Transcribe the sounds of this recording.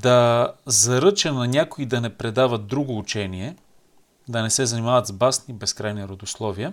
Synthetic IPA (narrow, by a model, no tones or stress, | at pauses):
d̪ɐzɐɾɤt͡ʃɐnɐnʲakoid̪ɐnɛpɾɛd̪avɐt̪̚d̪ɾuɡoːt͡ʃɛniɛ | d̪ɐnɛsɛzɐnimavɐt̪zbasnibɛskɾajniɾod̪ʊslˠɔviə